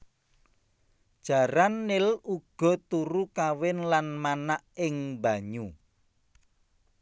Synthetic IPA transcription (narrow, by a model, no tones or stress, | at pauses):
d̥ʒ̥a̤ɾanːɪluɡ̥ɔ̤t̪uɾukawɪnlanmanaʔɪŋba̤ɲu